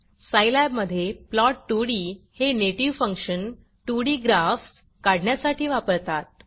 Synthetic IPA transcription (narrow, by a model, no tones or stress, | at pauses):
sajlɛbməd̪ʱːjeplɔʈːuɽiːheneʈiʋfəŋkʂən | ʈuɽiːɡɾafs | kaɽɳjasaʈʰiːʋapəɾt̪at̪̚